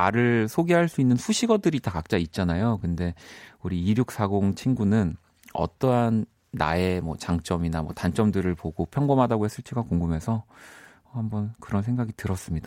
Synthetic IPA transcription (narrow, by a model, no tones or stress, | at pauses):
aɾɯɭsʰoɡeɦaɭs͈uinːɯnsʰuɕʰiɡʌdɯɾitakak̚t͡ɕ͈ait̚t͡ɕ͈anajokɯnde̞uɾiiɾjuk̚s͈ʰaɡoŋt͡ɕʰinɡunɯn | ʌ̰t͈ʌɦanː | a̰e̞mʌ̰t͡ɕaŋt͡ɕ͈ʌminamʌ̰tant͡ɕ͈ʌmdɯɾɯɭpoɡopʰjʌŋɡʌmɦadaɡohes͈ɯɭtʰiɡakoŋɡɯmɦe̞sʰʌ | hambʌnkɯɾʌnsʰe̞ŋɡaɡitɯɾʌs͈ɯmɲida